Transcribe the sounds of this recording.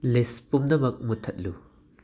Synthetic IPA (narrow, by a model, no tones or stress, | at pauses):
lespumdɐmɐk̚mutʰɐt̚lu